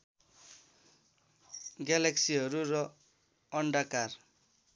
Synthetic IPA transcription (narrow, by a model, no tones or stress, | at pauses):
ɡalaksiɦʌɾuɾʌ | ʌɳɖakar